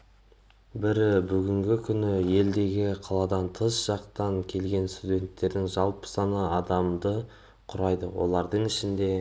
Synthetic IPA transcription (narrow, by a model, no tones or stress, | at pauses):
bɪɾbʏɡʲɪŋɡʲɪkʲʰʏnɪje̞ld̪e̞ɡʲɪqʰɑlˠɑd̪ɑnt̪ʰəsʒ̥ɑqt̪ɑŋkʲʰe̞lɡʲe̞nst̪udʲe̞nt̪ːe̞ɾd̪ɪŋʒɑlˠpə̥sɑnəɑd̪ɑmd̪ə | qʰʊɾɑjd̪əwo̞̰lˠɑɾd̪əɴɪʃɪnd̪e̞